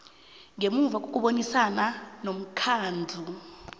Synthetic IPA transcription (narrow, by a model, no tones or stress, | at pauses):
ŋemuvak̬ʼok̬ʼuɓonisananom̩kʰaːnd͡ɮʱu